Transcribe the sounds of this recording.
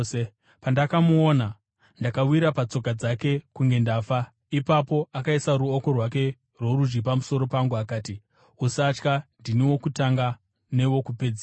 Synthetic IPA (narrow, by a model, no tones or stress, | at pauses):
e | pandakamuoːna | ndakawiɾapat͡so̞kad͡zake̞kuŋɡe̞ndafa | ipapo̞ʔakaisaɾuoko̞rwak̬e̞ | rwo̞ɾud͡ʒɡipamuso̞ɾo̞paŋɡuakaːti | usat͡ʃkandiniwo̞kutaŋɡa | ne̞wo̞kupe̞d͡za